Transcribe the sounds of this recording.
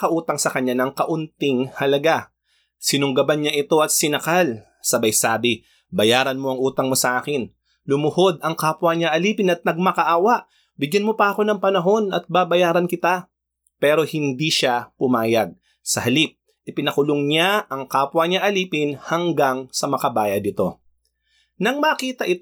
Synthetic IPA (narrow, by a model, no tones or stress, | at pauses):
kɐʔuːt̪ɐŋsɐkɐɲːanɐŋkɐʔʊnt̪ɪŋhɐlɐɡa | sɪnʊŋɡɐbanɲaʔɪt̪o̞ʔɐt̪̚sɪnɐkal | sɐbɐjsaːbɪ | bɐjaːɾɐnmo̞ɐŋʔuːt̪ɐŋmo̞sɐʔaːkɪn | lʊmʊho̞d̪ɐŋkaːpwɐɲaʔɐliːpɪnɐt̪̚nɐɡ̚mɐkɐʔaːwɐʔ | bɪɡjɐnmo̞pɐʔɐko̞nɐŋpɐnɐɦo̞nɐt̪̚babɐjaːɾɐnkɪt̪a | pɛːɾo̞hɪnd̪iʃapʊmaːjɐɡ̚ | sɐhɐlip̚ | ʔɪpɪnɐkʊloŋɲaʔɐŋkaːpwɐɲaʔɐliːpɪnhɐŋɡaŋsɐmɐkɐbaːjɐd̪̚ɪt̪o̞ | nɐŋmɐkiːt̪ɐʔɪt̪